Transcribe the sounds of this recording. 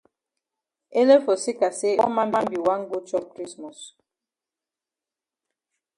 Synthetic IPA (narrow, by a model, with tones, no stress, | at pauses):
e˦le˦fɔ˨si˦ka˨se˦ɔ˦ma˦m˦a˦mbi˨wa˦ŋ̩˦ɡu˦t͡ʃɔ˦kɾi˦smɔ˨s